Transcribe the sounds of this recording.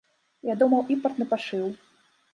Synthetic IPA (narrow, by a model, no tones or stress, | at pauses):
jad̪umɐwʔimpɐrt̪nɨpaʂɨw